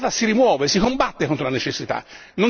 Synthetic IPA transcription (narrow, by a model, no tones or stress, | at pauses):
t̪asiɾimwɔːvesikombat̪ːekont̪ɾolanet͡ʃesːit̪a̰ | nõn